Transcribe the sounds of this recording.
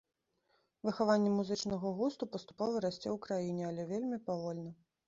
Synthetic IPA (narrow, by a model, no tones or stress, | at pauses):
vɨxavanʲːɛmuzɨt͡ʂnɐɣɐɣust̪upɐst̪u̥pɔvɐɾasʲt͡sʲɛwkɾajinʲɛalʲɛvʲelʲmʲipavɔlʲnɐ